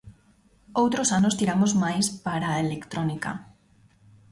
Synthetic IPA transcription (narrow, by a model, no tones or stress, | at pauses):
owt̪ɾosanost̪iɾamozmajspaɾaelekt̪ɾonika̰